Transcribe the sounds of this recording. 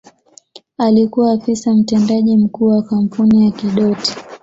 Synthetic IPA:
alikuwaːfisam̩tɛndaʄim̩kuːwakam̩punijakiɗɔti̥

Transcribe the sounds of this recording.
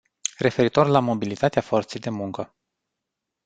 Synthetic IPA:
re̞fe̞ɾit̪o̞rlamo̞bilit̪at̪eafo̞rt̪sejd̪e̞muŋkə

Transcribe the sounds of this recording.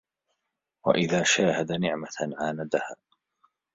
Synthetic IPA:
wa̰ʔɪðaːʃaːhad̪anɪʕmaʕaːnad̪ahaː

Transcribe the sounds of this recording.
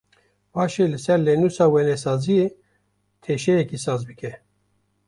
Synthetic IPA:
wɑːʃelɨsɛɾleːnuːsɑːwɛnɛsɑːzije | t̪ʰeːʃɛjɛkisɑːzbɨkʰɛ

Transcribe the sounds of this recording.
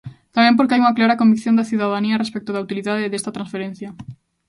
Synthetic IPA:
t̪amẽmp̬oɾkɪajuŋɐklaɾɐkõmbikθjond̪aθiuðaðaniɐrespek̚t̪ʊðaut̪iliðaðeðest̪ɐt̪ɾãnsfeɾen̟θjɐ

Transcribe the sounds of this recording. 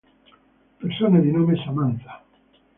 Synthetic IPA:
peɾsonaðinomesamanθḁ

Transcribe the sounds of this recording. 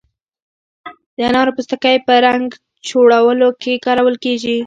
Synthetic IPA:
d̪əanɑɾopust̪əkəjpəɾaŋɡ | d͡ʒoɽawəlokʰekɑɾawəlkeʒi

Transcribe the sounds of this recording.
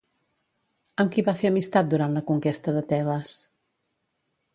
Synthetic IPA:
əmkiβafeəmist̪at̪̚d̪uɾant̪ləkuŋkest̪əðət̪ɛβəs

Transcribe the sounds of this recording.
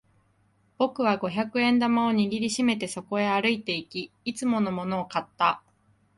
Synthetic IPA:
b̥o̞kɯ̟β̞aɡo̞çakɯ̟ẽ̞nd̪amaoɲ̟iɡʲiɾʲiɕime̞t̪e̞so̞ko̞e̞aɾɯ̟it̪e̞ikʲiːt͡sɨmo̞no̞mo̞no̞ːkat̪ːa

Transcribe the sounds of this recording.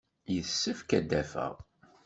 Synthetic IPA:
jəθsːəfkæd̪ːæfæ̰ʁ

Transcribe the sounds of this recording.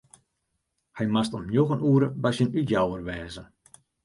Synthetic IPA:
hɛjmastommjoɣənuəɾəbasjənytjawərʋɛːzə

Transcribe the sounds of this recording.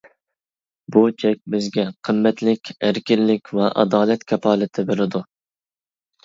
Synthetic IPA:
but͡ʃʰɛk̚ʲbɪzɡʲɛqʰəmːɛt̪lɪkʲæɾkʲɪlːɪkʲvɛʔɑ̰d̪ɑːlɛt̪kʲʰɛpʰɑːlˠɨt̪ʰɪbeɾɪd̪u

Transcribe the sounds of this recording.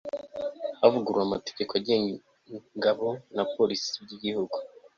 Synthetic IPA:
avuɡuɾwamate̥ɟe̞koaɟe | ŋɡaβo̞napo̞lisijiɟihuɡu

